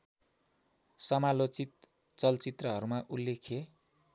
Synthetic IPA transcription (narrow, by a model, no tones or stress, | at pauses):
sʌmalot͡sit̪̚ | t͡sʌlt͡sit̪rʌɦʌɾumaʔulːekʰe